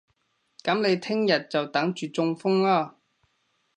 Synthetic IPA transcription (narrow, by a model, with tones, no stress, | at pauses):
kɐ˨˥mle˨˧jt̪ʰɪ˥ŋjɐ˨t̚t͡sɐ˨wt̪ɐ˨˥ŋt͡ʃyː˨t͡sʊ˧ŋfʊ˥ŋlaː˥